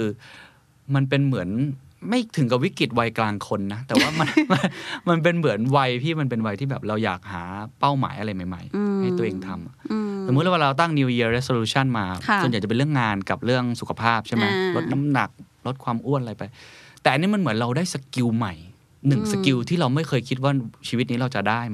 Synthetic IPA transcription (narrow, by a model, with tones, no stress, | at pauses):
kʰɯː˧ | ma˧np̬e˧nmɯ˩˦ən | ma˥˩jt̪ʰɯ˨˩˦ŋka˨˩wi˦˥ki˨˩t̪̚wa˧jklaː˧ŋkʰo˧nːa˦˥t̪ɛː˨˩waː˥˩ma˧nma˧nma˧np̬e˧nmɯ˩˦ənwa˧jt̪ʰiː˥˩ma˧npe˧nwa˧jt̪ʰiː˥˩bɛː˨˩p̚ɾa˧wja̰ː˨˩k̚ha̰ː˩˦pa˥˩wma̰ː˩˦jʔa˧ɾa˧jma˨˩jma̰˦˩jha˥˩jt̪u˧əʔeː˧ŋt̪ʰa˧mʔa˨˩sso˨˩mː˦˥lɛ˥˩˦a˥˩ɾa˧wt̪a˥˩ŋni˧wji˧əɾe˦˥so˧luː˧˥t͡ɕʰa˥˩nmaː˧˩o˥˩na˨˩t͡ɕa˨˩pe˧nɾɯ˥˩əŋːaː˧nka˨˩p̚ɾɯ˥˩əŋsu˨˩kʰa˧pʰaː˥˩p̚t͡ɕʰa˥˩jma˦˥lo˦˥t̪̚na˦˥mna˨˩k̚ | lo˦˥t̪̚kʰwaː˧mʔu˥˩ənʔa˧ɾa˧jpa˧jt̪ɛː˨˩ʔa˧nːi˦˥ma˧nmɯ˩˦nɾa˧wdaː˥˩jsa˧ki˧wma˨˩j | nɯ˨˩ŋsa˧ki˧wt̪ʰiː˥˩ɾa˧wma˥˩jkʰɤː˧jkʰi˦˥t̪̚waː˥˩t͡ɕʰiː˧wi˦˥t̪̚niː˦˥ɾa˧wt͡ɕa˨˩daː˥˩j